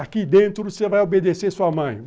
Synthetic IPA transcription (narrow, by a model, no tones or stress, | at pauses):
akid̪ẽnt̪ɾʊsevajobed̪esesuɐmɐ̃j̃